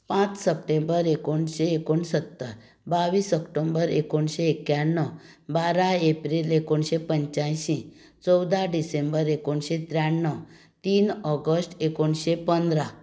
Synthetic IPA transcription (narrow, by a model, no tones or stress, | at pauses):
pãt͡ssəpʈembəɾekoɳɕeːkoɳsət̪ːəɾ | baʋiːsɔkʈombəɾekoɳɕeekjanːɔ | baɾaepɾilekoɳɕepəɲt͡ɕajɕĩ | t͡sɔwd̪ʱaɖisẽmbəɾekoɳɕet̪ɾjaɳːɔ | t̪iːnɔɡəsʈekoɳɕepənd̪ɾa